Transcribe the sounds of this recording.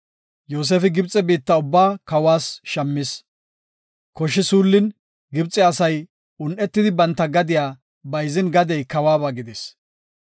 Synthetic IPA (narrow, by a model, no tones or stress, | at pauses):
joːs̬eːfɪɡɪbt͡sʼːɛbiːt̪ːɐʊbːaːkɐwaːsʃɐmːɪs | kɔʃːɪsuːlːɪn | ɡɪbt͡sʼːɛɐsɐj | ʊnʔɛt̪ːɪd̪ɪbɐnt̪ːɐɡɐd̪ɪjaː | bɐjzɪnɡɐd̪ɛjkɐwaːbaːɡɪd̪ɛs